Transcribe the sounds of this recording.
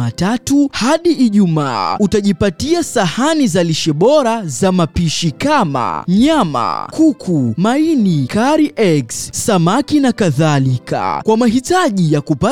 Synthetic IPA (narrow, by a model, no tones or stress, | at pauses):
atatuhaɗiʔiʄumaːutaʄipatiasahanizaliʃɛɓɔɾazamapiʃikama̰ɲama̰kʰukʰumainikaɾiʔɛɡsːamakinakaðalikʰa̰kwamaɦitaʄijakupa